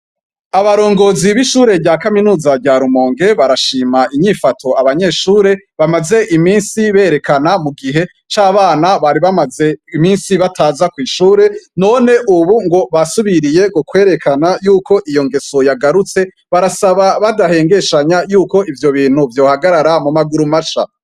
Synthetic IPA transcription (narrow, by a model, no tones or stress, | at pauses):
aβaɾo̞ːŋɡo̞ːziβiʃuːɾe̞bɟaːkaminuːzaɟaːɾumo̞ːŋɡe̞βaɾaʃiːmaʔiɲifatʰo̞aβaɲe̞ʃuːɾe̞βamaze̞ʔimiːnsiβe̞ːɾe̞kanamuɡiɦe̞ | t͡ʃaːβaːnaβaɾiβamaze̞imiːnsiβatʰaːzakwiːʃuːɾe̞no̞ːne̞ʔuβuŋɡo̞βasuβiɾije̞ɡokwe̞ːɾe̞kʰanajuːko̞ʔijo̞ŋɡe̞so̞jaɡaɾut͡se̞ | βaɾasaβaβadahe̞ːŋɡe̞ʃaɲajuːko̞ʔivjo̞βiːn̥uvjo̞ːhaɡaɾaɾamumaɡuɾumaʃa̰